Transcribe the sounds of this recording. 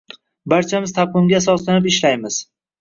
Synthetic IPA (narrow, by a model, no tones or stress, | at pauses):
baɾt͡ʃʰamɪzt̪ʰap̚qɨmɡʲasɒslanɪpɪʃlajmɪz̥